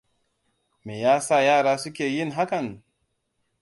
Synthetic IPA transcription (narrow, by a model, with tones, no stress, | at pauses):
meː˨jaː˦sa˦˨jaː˦˨ɽaː˦sʊ˦kʲeː˨jɪ˦nɦa˦kɐ˨n